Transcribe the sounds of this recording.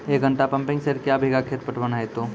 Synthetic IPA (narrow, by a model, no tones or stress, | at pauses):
ekɡʱəɳʈapɐ̃mpɪ̃ŋseɾkjabʱiɡakʰeːɾ̚pəʈbənaet̪o